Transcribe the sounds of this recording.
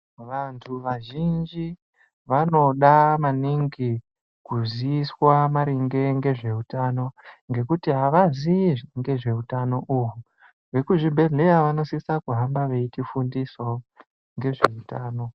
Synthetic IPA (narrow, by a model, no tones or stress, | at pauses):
ʋantʰuʋaʒind͡ʒi | ʋano̞ɗamaniŋɡi | kuziiswamaɾiŋɡe̞ŋɡe̞ʐe̞utano̞ŋɡe̞kutiɦaʋaziiŋɡe̞ʐe̞utano̞ʔuɦu | ʋe̞kuʐibʱe̞ɮe̞ɾaʋano̞sisakuɦambaʋe̞itifundiso | ŋɡe̞ʐeutaːno̞